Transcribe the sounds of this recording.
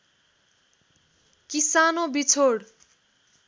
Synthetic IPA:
kisanobit͡sʰoɽ

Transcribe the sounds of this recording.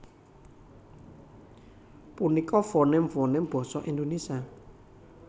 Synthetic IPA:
punikɔfɔnɪmfɔnɪmb̥ɔ̤sɔʔind̪onesia

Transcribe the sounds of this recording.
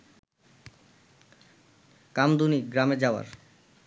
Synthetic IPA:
kamd̪uniɡɾamed͡ʑaoa̰ɾ

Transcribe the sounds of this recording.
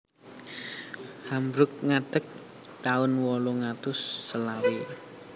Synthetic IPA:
hambɾʊk̚ŋaɖ̥ək̚ | t̪aʊnwɔloŋat̪ʊsːəlawe

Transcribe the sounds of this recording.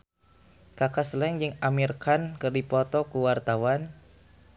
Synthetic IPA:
kakaslɛŋd͡ʒɨŋamirkankɨrdipɔt̪ɔkuwart̪awan

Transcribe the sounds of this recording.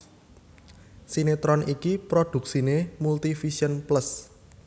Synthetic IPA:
sinet̪ɾɔnikipɾod̥ṳk̚sinemult̪ifisiənpləs

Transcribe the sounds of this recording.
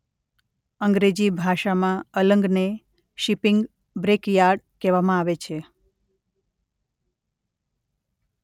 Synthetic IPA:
əŋɡɾed͡ʑibʱaʃamãələŋɡne | ʃipɪŋɡ | bɾekjaɾɖkɛʋamãaʋet͡ʃʰe

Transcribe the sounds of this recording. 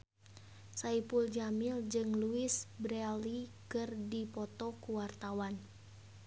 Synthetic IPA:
saipuld͡ʒamild͡ʒɨŋluisbɾɛlikɨrdipɔt̪ɔkuwart̪awan

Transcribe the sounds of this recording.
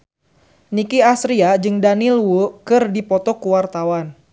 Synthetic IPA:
nikiasɾiad͡ʒɨŋdanilwukɨrdipɔt̪ɔkuwart̪awan

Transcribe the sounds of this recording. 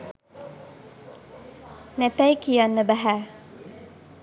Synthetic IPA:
næt̪æjkijanːəbæɦæ

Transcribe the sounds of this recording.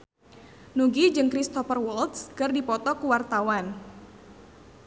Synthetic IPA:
nuɡid͡ʒɨŋkɾist̪ɔfərwɔlt̪skɨrdipɔt̪ɔkuwart̪awan

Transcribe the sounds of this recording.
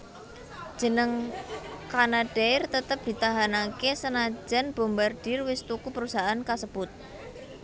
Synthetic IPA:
d̥ʒ̥ə̤nəŋ | kanaɖ̥aɪrt̪ət̪əp̚d̪̥i̤t̪aɦanakesənḁd͡ʒa̤nb̥o̤mbarɖ̥ɪrwɪst̪ukupəɾusaʔankasəb̥ʊt̪̚

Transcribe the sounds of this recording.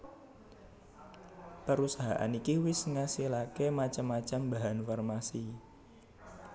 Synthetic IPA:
pəɾusaɦa̰ʔa̰nikiwɪsŋasilakemat͡ʃamat͡ʃambaɦanfarmasi

